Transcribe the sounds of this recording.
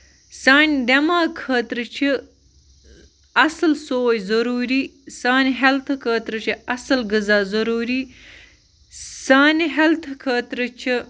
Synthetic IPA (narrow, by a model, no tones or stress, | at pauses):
saːnʲd̪emaːkʰəːt̪ɾɨt͡ʃʰə | ɐsɨlsoːjzɐɾuɾisaːnɦelt̪ʰkʰəːt̪ɾɨt͡ʃʰiɐsəlɡəzaːzɐɾuːɾi | saːniɦelt̪ʰkʰəːt̪ɾɨt͡ʃʰi